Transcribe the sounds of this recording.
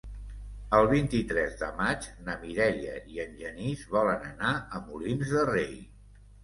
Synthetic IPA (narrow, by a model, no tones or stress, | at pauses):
əlˠβint̪it̪ɾɛzðəmad͡ʒnəmiɾɛliə̰iənʲʒənizβɔlənənaəmulinzðərej